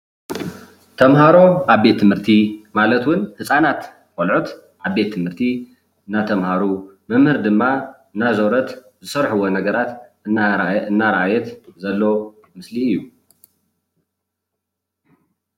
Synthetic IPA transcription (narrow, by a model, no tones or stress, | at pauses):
t̪ʰɐmɦaɾo̞aβbe̞t̪ʰːɨmhɨɾt̪ʰimalɐt̪wʊnhɨsʼanat̪ | kolʕut̪ | ʔaβbe̞t̪ʰːɨmhɨɾt̪ʰi | ɨnːat̪ʰɐmhaɾumɨmhɨɾd̪ɨmːa | ɨnːazoɾɐt̪ | zɨsɐɾħɨwonɐɡɐɾat̪ | ɨnːaɾaʔajɛt̪zɐlːo̞ | mɨsliɨjːu